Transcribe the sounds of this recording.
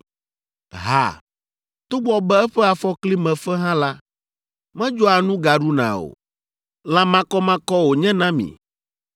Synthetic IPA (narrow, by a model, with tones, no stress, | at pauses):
ɦa̰˨ | t̪o˦ɡ͡bɔ˦bɛ˦ɛ˦ɸɛ˦a˨fɔ˦kli˦mɛ̃˨fɛ˦ɦã˦la˦ | mɛ̃˦d͡ʒɔ˦a˨nũ˦ɡa˨ɖu˦nã̰˨o̰˨ | lã˦mã˦kɔ˦mã˦kɔ˦wo˨ɲɛ̃˦nã˦mḭ̃˨